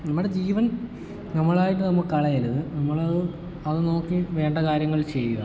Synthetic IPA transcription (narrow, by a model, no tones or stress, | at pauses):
nɐmːuɽed͡ʑiːʋɐn | nɐmːɐɭaːjiʈːɨnɐmːɐɭkɐɭɐjɐlɐðɨnɐmːɐɭɐðɨ | ɐðɨnoːkːiʋe̞ːɳɖɐkaːɾjɐŋːɐɭt͡ɕe̞jːuɣɐ